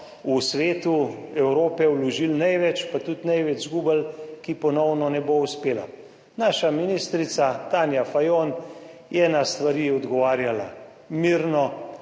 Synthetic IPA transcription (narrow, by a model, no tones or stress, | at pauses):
usʋeːt̪uɛwɾoːpɛwlɔʒilnɛjʋɛt͡ʃpat̪ut̪nɛjʋɛd͡ʒzɡuːbəlkipɔnɔwnɔnɛbouspeːla̰ | naːʃaminist̪ɾit̪sat̪aːnjafajonjɛnast̪ʋaɾiɔd̪ɡɔʋaːɾjala̰ | miːɾnɔ